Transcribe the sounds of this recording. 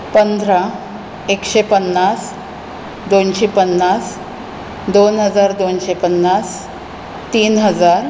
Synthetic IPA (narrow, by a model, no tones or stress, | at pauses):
pənd̪ʱɾa | ekɕepənːas | d̪onɕepənːas | d̪onɦəd͡zaɾd̪onɕepənːas | t̪iːnɦəd͡zaɾ